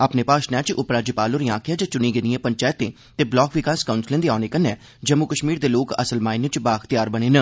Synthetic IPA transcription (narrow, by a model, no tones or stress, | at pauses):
aːpneːpaːʃnɛːt͡ʃʊpɾaːd͡ʒəpaːloːɾiːãːkʰɪjaːd͡ʒãːt͡ʃʊniːɡɪnd̪iɛ̃ːpəɲt͡ʃaːjət̪ːẽː | t̪eːblɔːkʋɪkaːskaʊnslẽːnd̪eːaːneːkənːɛː | d͡ʒəmːʊkəʃmiːɾd̪eːloːkə̰səlmaːinət͡ʃbaːxt̪ɪjaːɾbəɽ̃eːnə